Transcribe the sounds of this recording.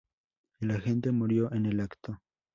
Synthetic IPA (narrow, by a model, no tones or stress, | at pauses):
laxe̞nt̪̬e̞muɾjo̞ʔenelakt̪o